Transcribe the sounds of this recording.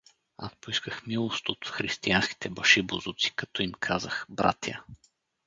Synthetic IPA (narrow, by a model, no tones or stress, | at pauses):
a̰spoiskəxmilˠost̪ot̪fxɾist̪iansk̟i̥t̪ɛbəʃibozut̪si̥kɐt̪ɔimkʰazəxbɾa̰t̪jə̰